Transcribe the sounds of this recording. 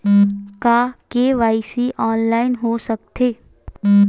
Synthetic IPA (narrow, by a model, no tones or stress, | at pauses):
kaːkeʋaːisiʔɔːnlaːɪnɦosək̚t̪ʰeː